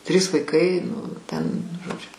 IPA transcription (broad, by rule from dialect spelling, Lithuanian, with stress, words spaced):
ˈtʲrʲiːs ʋɐɪˈkɐɪ ˈnʊ ˈtʲɛn ʒoːˈd͡ʒʲʊ